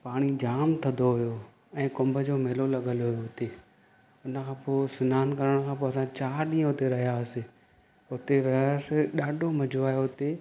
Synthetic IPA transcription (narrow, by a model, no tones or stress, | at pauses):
paːɽ̃id͡ʑaːmt̪ʰɐ̃nd̪oɦʊjo | ɛ̃ːkʊ̃mbʱəd͡ʑoːmeːlolɐɠəlɦʊjoɦʊt̪e | ʊnəkʰãːpoːsɪnaːnkɐɾəɽ̃kʰãːp̬oɐsãt͡ɕaːɾɗĩːə̃ɦʊt̪eɾɐɦijasɪ | ʊt̪eɾɐɦasɪɗaːɖʱomɐd͡ʑʱoaːjoɦʊt̪e